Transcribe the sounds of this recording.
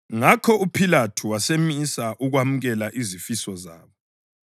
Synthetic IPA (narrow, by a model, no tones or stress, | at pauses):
ŋakʰɔupʰilatʰuwasemisaʔuɣwamuɣɛlaʔizifisɔza̰ːβɔ